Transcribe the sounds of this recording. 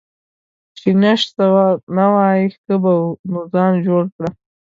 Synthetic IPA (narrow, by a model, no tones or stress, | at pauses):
t͡ʃɪnaʃsawanawɑjixəbanuzɑnd͡ʒoɽkɽa